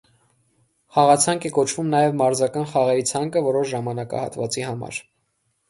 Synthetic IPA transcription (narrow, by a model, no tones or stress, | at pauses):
χɑʁɑt͡sʰɑŋkʰɛkɔt͡ʃʰvumnɑjɛvmɑɾzɑkɑnχɑʁɛɾit͡sʰɑŋkəvɔɾɔʃʒɑmɑnɑkɑ̰hɑ̰t̪vɑt͡sihɑmɑ̰ɾ